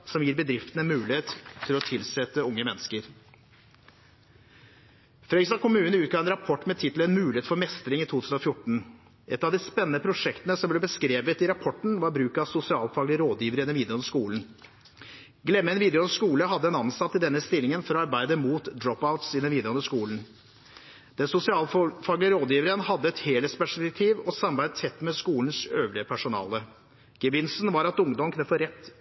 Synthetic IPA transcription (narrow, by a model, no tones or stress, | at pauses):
sɔmjiːɾbəd̪ɾɪft̪ənəɛnmʉːlɪeːt̪ʰːɪlɔt̪ʰɪlsɛt̪ːəʊŋːəmɛnːəskəɾ | fɾœʏsɑkʰʊmʉːnnəʉːt̪̚ɡɑːɛnɾɑpʰɔʈːmɛt̪ʰɪt̪ːləɛnmʉːlɪeːt̪fɔɾmɛst̪ɾɪŋɪt̪ʰuːt̪ʰʉːsn̩ɔfjʊʈːɳ̩ | ɛt̪ːɑʋd̪ɪspɛnːənəpʰɾʊʂɛkt̪ənəsɔmblɛbəskɾeːʋət̪ɪɾɑpʰɔʈɳ̩ʋɑɾbɾʉːkɑsʊsɪɑːlfɑːɡlɪəɾoːd̪jiːʋəɾəɛnːɛnʋiːd̪ɛɔnʂkuːln̩ | ɡlɛmːəɛnʋiːd̪ɛɔnəʂkuːləɦɑd̪ːəɛnɑnsɑt̪ʰːɪld̪ɛnːəst̪ɪlːɪŋənfɔɾɔɑɾbæɪd̪əmuːt̪d̪ɾɔpaʊt̪sɪd̪ɛnʋiːd̪ɛɔnəʂkuːln̩ | d̪̥ɛnsʊsɪɑːlfɑɡlɪəɾoːd̪jiːʋəɾənhɑd̪ːəɛt̪heːləspæʂɛk̚t̪ʰiːʋɔsɑmbæɪt̪ʰɛt̪ːmɛskuːln̩søːʋlɪəpʰæʂʊnɑ̰ːlə | ɡ̥əʋɪnsn̩ʋɑɾɑt̪ʊŋd̪ɔmkʰnəfɔɾɛt̪ː